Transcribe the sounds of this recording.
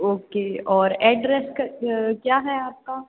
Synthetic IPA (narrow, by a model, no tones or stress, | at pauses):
oːkeɔːɾɛːɖɾɛskɐkjaːɦɛaːp̚ka